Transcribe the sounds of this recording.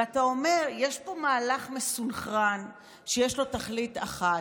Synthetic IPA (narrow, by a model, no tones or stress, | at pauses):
atao̞me̞ʁjeʃpo̞maːlaχmesulχan | ʃejeʃlo̞taχlitaχa